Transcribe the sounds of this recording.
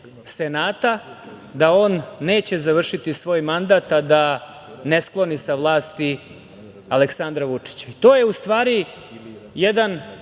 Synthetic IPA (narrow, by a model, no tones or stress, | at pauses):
se̞naːt̪a | d̪ao̞ːnːe̞ːt͡ɕe̞zaʋr̩ʂit̪isʋo̞ːjmand̪aːt̪ad̪a | nesklˠo̞nisaʋlˠaːst̪i | aleksand̪ɾaʋut͡ʂi̥t͡ɕait̪o̞ːje̞ust̪ʋaːɾi | jed̪an